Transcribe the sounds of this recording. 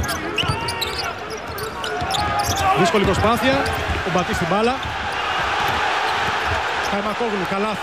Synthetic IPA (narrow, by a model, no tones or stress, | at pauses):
ðiskolipɾospaθiɐubat̪ist̪ibalɐ | k̪aemakoɣlukala